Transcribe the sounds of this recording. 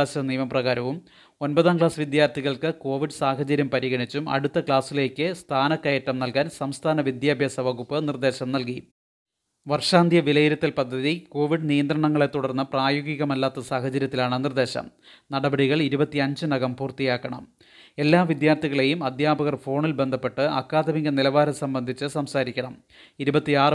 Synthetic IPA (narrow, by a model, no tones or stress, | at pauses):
aːsɐnijɐmɐprɐɣaːɾɐʋum | o̞nbɐðaːnkɭaːsʋid̪jaːrt̪ʰiɣɐɭkɨko̞ːʋiɖsaːɦɐt͡ɕɐɾjɐmpɐɾiɣɐɳit͡ɕːumɐ̰ɽut̪ːɐkɭaːsile̞ːkʲːɨst̪ʰaːnɐkːɐjɐʈːɐmnɐlkaːnsɐmst̪ʰaːnɐʋid̪jaːbʱjɐsɐʋɐɣupːɨnird̪e̞ːɕɐmnɐlki | ʋɐrʂaːnd̪ʱjɐʋilɐjiɾɐt̪ːilpɐd̪ʱːɐðiko̞ːʋiɖnijɐnd̪ɾɐɳɐŋːɐɭe̞t̪uɽɐrnːɐpraːjoɡiɣɐmɐlːaːt̪ːɐsaːhɐt͡ɕɐɾjɐt̪ːilaːɳɨnird̪e̞ːɕɐ̰m | nɐɽɐbɐɽiɣɐɭiɾubɐt̪ːiɐɲd͡ʑɨnɐɣɐmpuːrt̪ijaːkːɐɳɐ̰m | e̞lːaːʋid̪jaːrt̪iɣɐɭe̞jumɐd̪jaːbɐɣɐrfo̞ːɳilbe̞nd̪ʱɐpːe̞ʈːɨɐkːaːd̪ʱɐmiŋɡɐnilɐʋaːɾɐsɐmbɐnd̪ʱit͡ɕːɨsɐmsaːɾikʲːɐɳɐm | iɾubɐt̪ːiaːr